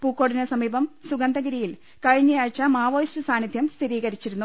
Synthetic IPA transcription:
puːkːo̞ːɽinɐsɐmiːbɐmsuɡɐnd̪ɐɣɐɾijil | kɐɻiɲːɐjaːɻt͡ɕːɐmaːʋoːjsɐsaːnid̪ʱjɐmst̪ʰiɾiːɣɐɾit͡ɕːiɾunːu

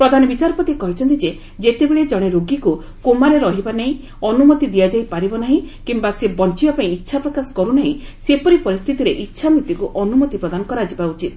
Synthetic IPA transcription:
pɾɔd̪ʱanɔbit͡ʃaɾɔpɔt̪ikɔɦit͡ʃʰɔnt̪id͡ʒe | d͡ʒet̪ebeɭed͡ʒɔɽ̃eɾoɡiku | komaɾeɾɔɦibanaɦĩ | ɔnumɔt̪id̪ijad͡ʒajpaɾibɔnaɦĩkimbasebɔnt͡ʃibapaĩitːʃʰapɾɔkasɔ̥kɔɾunaɦĩsepɔɾipɔɾist̪ʰit̪iɾeʔitːʃʰamɾit̪jukuʔɔnumɔt̪ipɾɔd̪anɔkɔɾad͡ʒibaut͡ʃit̪

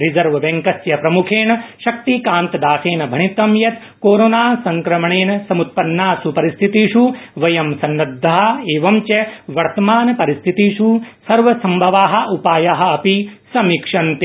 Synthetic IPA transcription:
ɾizɐɾʋɐbẽŋkɐsjɐpɾɐmukʰeːnɐʃɐk̚t̪ikaːnt̪ɐd̪aːseːnɐbʱɐɳit̪ɐmjɐt̪ | koːɾoːnaːsɐŋkɾɐmɐɳeːnɐsɐmut̪̚pɐnːaːsupɐɾist̪ʰit̪iːʃuʋɐjɐmsɐnːɐd̪ʱːɐɦɐ̆eːʋɐmt͡ʃɐʋɐɾt̪ɐmaːnɐpɐɾist̪ʰit̪iːʃusɐɾʋɐsɐmbʱɐʋaːɦɐ̆ʔupaːjaɦɐ̆ɐpisɐmikʂɐnt̪e

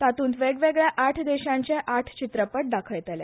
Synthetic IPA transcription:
t̪at̪uːnt̪ʋeɡʋeɡɭjaʔaʈʰd̪eɕãɲt͡ɕeʔaʈʰt͡ɕit̪ɾəpəʈ̚d̪akʰəjt̪ele

